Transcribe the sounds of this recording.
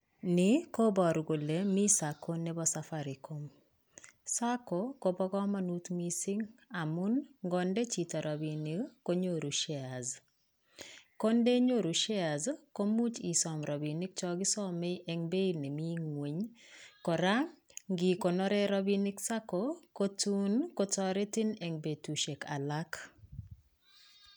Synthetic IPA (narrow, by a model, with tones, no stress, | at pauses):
nɪ˦ko˦bɔ˨ɾɡo˨le˨mi˦sako˦nɛ˦bɔ˦safaɾi˨ko˦m | sa˦ko˨ko˦bɔ˦ɡɔ˦ma˦nu˦t̪mi˦si˦ŋa˨mu˦nŋɡɔnde˦t͡ʃi˨ta˨ɾʔɔ˨bi˨ni˦kko˦ɲo˦ɾu˨ʃɛ˨a˨z | ko˦nde˦ɲo˦˨ɾu˨ʃɛ˦a˨zko˦mu˦t͡ʃi˨sɔ˨mɾɔ˨bi˨nɪ˦k̚t͡ʃɔɡɪ˦sɔ˦mɛ˦ʔe˨ŋbe˦i˨ne˨mi˦ŋwe˨ɲkɔ˨ɾa˦ŋɡi˨ko˨nɔ˦ɾɛ˦ɾɔ˦bini˦ksa˦koko˦tu˦nko˦tɔ˦ɾɛ˦ti˦ne˨ŋbe˨tu˨ʃe˨ka̰˨la˦k